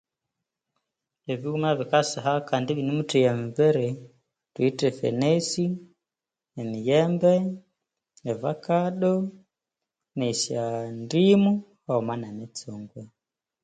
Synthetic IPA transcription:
ɛβiumaβikasaɦakandiβinimutɛjamiβɛɾɛ | twitɛfɛ̰nɛsi | ɛmijɛmbɛ | ɛvakaɗɔ | nɛsandimu | aɔmanamɛt͡sɔŋɡwɛ

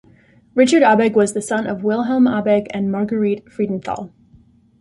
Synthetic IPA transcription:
ɹɪt͡ʃə˞ɾɑbɛɡwʌzðɨsʌ̃nʌvwɪlˠɦɛl̩ˠmɑbɛɡɨ̃nmɑɹɡə˞itfɹidⁿn̩θɔ̰lˠ

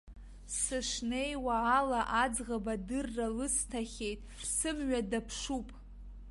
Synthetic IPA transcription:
sɨʂne̞jwaːlaʔad͡zʁabadɨrːalɨstʰaχʲe̞jtʼʰsɨmɥadapʰʂupʼ

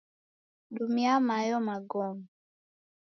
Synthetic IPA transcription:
ɗumiamajɔmaɡɔmi

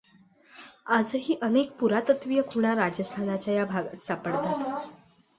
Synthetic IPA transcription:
ad͡zəɦiːʔənek̚puɾat̪ət̪ʋijəkʰuɳ̃aɾad͡ʑəst̪ʰanat͡ɕajabʱaɡasapəɽt̪at̪

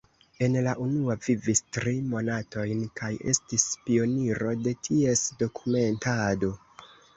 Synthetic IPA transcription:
e̞nlaʔunuavivistɾimo̞nato̞jnkʰaje̞̰stispio̞niɾo̞de̞tʰie̞sdo̞kʰume̞ntado̞

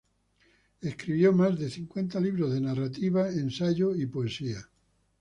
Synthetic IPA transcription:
e̞skɾiβjomazðe̞θiŋkwe̞nt̪aliβ̞ɾozðenarat̪iβ̞aensaʝoipoe̞sia

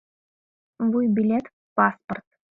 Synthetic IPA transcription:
vujbʲilʲet̪ | pɑspərt̪

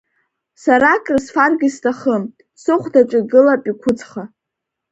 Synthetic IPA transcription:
saɾakʼrsfarɡʲistʰʼaχəm | sɨχʷdaʈ͡ʂʷʼɪɡɨlapʼikʷʰʊt͡sʰʼχa

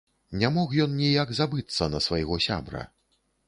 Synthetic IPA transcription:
nʲamɔxjɔnnʲijaɡzabɨt̪sːɐnɐsvajɣɔsʲa̰bɾɐ̰

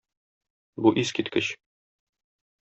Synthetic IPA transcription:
buʔizkit̪kɘɕ

